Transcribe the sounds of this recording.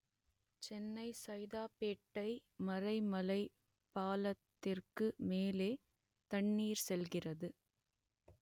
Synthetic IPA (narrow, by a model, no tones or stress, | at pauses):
t͡ʃɛnːɐɪsɐjðaːpeːʈːɐɪmɐɾɐɪmɐlɐɪ | pːaːlɐt̪ːɪrkɯmeːleː | t̪ɐɳːiːɾsɛlɣɪrɐðɯ